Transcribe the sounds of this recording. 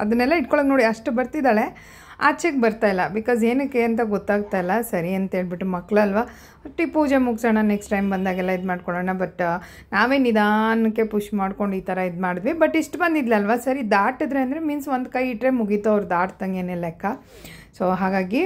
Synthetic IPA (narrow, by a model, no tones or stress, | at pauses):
ɐd̪ɐnɛlːɐiʈkɔɭoːɡnoːɽiɐʂʈbɐɾt̪id̪aːɭe̞ | a̰ːt͡ʃʰek̚bɐɾt̪aːjilːɐbikaːzeːnikːeɐnt̪̬ɐɡɔt̪ːaːɡ̚t̪ajilːɐsɐɾiɐnt̪ɐɦe̞ːɭbiʈːumɐkːɭuɐlʋa | ɐʈːipuːd͡ʒe̞muɡsaːɳɐneksʈʈɐjmbɐnd̪aːɡɛlːɐid̪maːɖkɔɭoːɳɐbɐʈː | naːʋeːnid̪aːnɐkːe̞puʂmaːɽko̞ɳɖiːt̪ʰɐɾɐid̪maːɽid̪ʋibɐʈiʂʈbɐnd̪id̪lɐːlʋasɐɾid̪aːʈid̪ɾe̞ɐnd̪ɾe̞miːnsʋond̪kɐjiʈɾemuɡit̪uɐʋɾd̪aːʈt̪ɐŋɡeːnelːekːa | soɦaːɡaːɡi